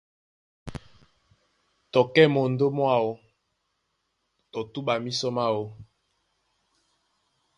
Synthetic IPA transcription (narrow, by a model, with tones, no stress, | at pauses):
tɔ˨kɛ˦mo˨n˨do˦mwa˦˨wo˦ | tɔ˨tu˦ɓa˨mi˦sɔ˦ma˦wo˦